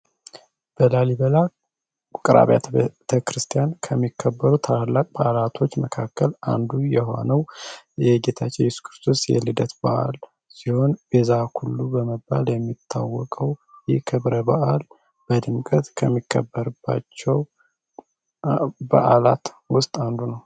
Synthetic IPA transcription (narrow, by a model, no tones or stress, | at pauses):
b̥əlaliβəla | kʼɾa̰βjat̪ʰəkɾɨst̪ʰijankʰəmːikʰːəbːəɾut̪ʰalakʼbaʔalat̪ʰo̞t͡ʃːməkʰakːəla̰nd̪ujɛɦo̞̰nəwjɛɡet̪ʰat͡ʃːɛjɪsu̥kʰɾɨst̪ʰo̞sjɛ̰lɨd̪ət̪b̥aʔa̰l | siho̞nb̥ezahʰulːubəməbːa̰ljɛmːit̪ʰːa̰wːɔkʼəwjɛkʰɨβɾəbaʔal | b̥əd̪ɨmkʼət̪kʰəmːikʰːəbːəɾɨbːa̰t͡ʃːɛw | ba̰ʔalat̪ | wʊst̪ʼand̪unəw